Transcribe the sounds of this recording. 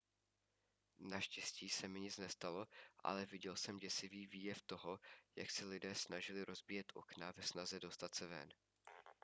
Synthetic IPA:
naʃcɛsciːsɛmɪɲɪt͡snɛst̪alo̞ʔa̰lɛvɪɟɛlsɛmɟɛsɪviːviːjɛft̪o̞ɦo̞ja̰ksɛlɪdɛːsnaʒɪlɪɾo̞zbɪjɛt̪ʔo̞̰knavɛsnazɛdo̞st̪at̪sɛvɛ̰n

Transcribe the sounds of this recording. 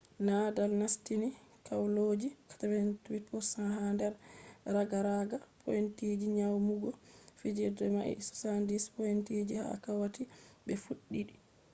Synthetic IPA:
nadalnastinikawlod͡ʒikḁtaɾɛntwitpɔsaɦandɛɾɾaɡaɾaɡapʰɔ̰jintid͡ʒiɲawmuɡɔfid͡ʒɛdɛmaʔḭsɔ̥sandispɔjintid͡ʒiha̰kawatibɛfuɗːiɗi

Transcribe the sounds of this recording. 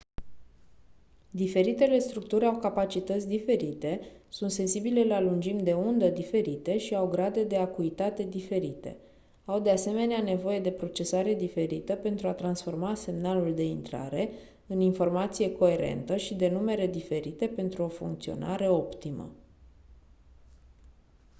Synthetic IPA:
d̪ife̞ɾit̪e̞le̞st̪ɾuk̚t̪uɾʲawkapat͡ʃit̪ət̪sʲd̪ife̞ɾit̪e̞sunt̪se̞nsibile̞lalund͡ʒimd̪e̞und̪əd̪ife̞ɾit̪e̞ʃiawɡɾad̪e̞d̪e̞akuit̪at̪e̞d̪ife̞ɾit̪e̞̰ | awd̪ease̞me̞neane̞vo̞je̞d̪e̞pɾo̞t͡ʃe̞saɾe̞d̪ife̞ɾit̪əpe̞nt̪ɾuat̪ɾansfo̞rmase̞mnaluld̪e̞int̪ɾa̰ɾe̞ | ɨninfo̞rmat̪sije̞ko̞e̞ɾe̞̰nt̪əʃid̪e̞nume̞ɾe̞d̪ife̞ɾit̪e̞pe̞nt̪ɾuo̞fṵŋkt̪sio̞̰nʔaɾe̞o̞pt̪imə̰

